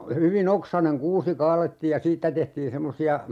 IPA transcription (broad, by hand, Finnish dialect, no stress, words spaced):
hyʋin oksɑneŋ kuːsi kɑːletːiːj jɑ siːtːæ tehtiːn semːosiɑ